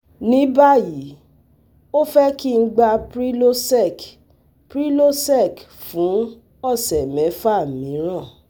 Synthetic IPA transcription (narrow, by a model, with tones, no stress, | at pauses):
nĩ˨˦ba˦˨ji˨˦ | o˦fɛ˦ki˦˧˦ɡ͡ba˧pɾi˦lo˦sɛ˦˨k | pɾi˦lo˦sɛ˦˨k | fũ˨˦ | ɔ˦˨sɛ˨mɛ̃˨˦fa˦˨mĩ˨˦ɾ̃ã˦˨